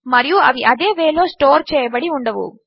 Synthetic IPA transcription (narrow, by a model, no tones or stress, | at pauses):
mɐɾijuɐʋiʔɐd̪e̞ːʋeːlo̞ːsʈoːɾt͡ʃɛːjɐbɐɽiuɳɖɐʋṵ